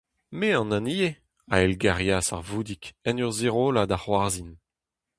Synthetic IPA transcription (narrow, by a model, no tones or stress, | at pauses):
meɑ̃nãnije | a̰ɛlɡaʁjasa̰ʁvuːd̪ikɛnyʁzeʁoːlad̪aχwaʁzin